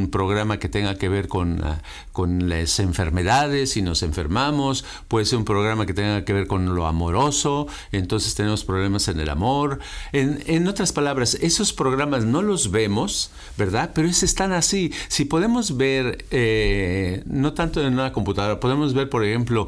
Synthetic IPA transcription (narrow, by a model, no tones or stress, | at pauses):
mpɾo̞ɣɾamake̞t̪e̞ŋɡake̞βe̞ɾko̞n̰ | ko̞nlase̞ɱfe̞̰ɾme̞ðaðe̞sino̞se̞ɱfe̞̰ɾmamo̞s | pwe̞ðese̞ɾumpɾo̞ɣɾamake̞t̪eŋɡakeβe̞ɾko̞nlo̞a̰mo̞ɾo̞so̞ | e̞nt̪o̞nsest̪e̞ne̞mo̞spɾoβle̞mase̞ne̞la̰mo̞ɾeneno̞t̪ɾaspalaβɾase̞so̞spɾo̞ɣ̞ɾamazno̞lo̞zβe̞mo̞s | be̞ɾðaðpe̞ɾoesest̪anasisipo̞ðe̞mo̞zβe̞ɾe | no̞t̪ant̪oenunako̞mput̪aðo̞ɾapo̞ð̞e̞mo̞zβe̞ɾpo̞ɾexe̞mplo̞